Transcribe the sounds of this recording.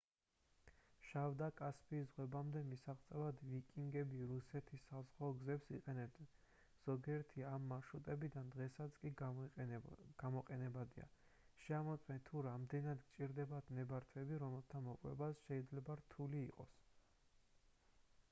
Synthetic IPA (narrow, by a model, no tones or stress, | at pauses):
ʃavd̪akʼaspʰiːzzʁwɛbamd̪ɛmisaʁt̪sʼɛvad̪vikʼiŋɡɛbiɾusɛt̪ʰisːazʁɔːɡzɛpsiqʼɛnɛb̚d̪ | z̥ɔɡiɛɾt̪ʰiamːaʃut̪ʼɛbid̪and̪ʁɛsat̪sʰkʼi | ɡ̥amɔqʼɛnɛbad̪ia̰ | ʃɛamɔt̪sʼmɛnt̪ʰuɾamd̪ɛnad̪ɡt͡ʃʼiɾd̪ɛbat̪ʰnɛbaɾt̪ʰwɛbiɾɔmɛlˠt̪ʰamɔkʼwɛ̰basʃɛid̪zlɛbaɾt̪ʰuliːqʼɔ̰s